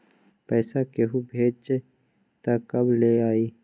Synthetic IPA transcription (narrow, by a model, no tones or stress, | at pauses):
pɛːsakeɦubʱeːd͡ʒt͡ʃ | t̪akɐbleːaːiː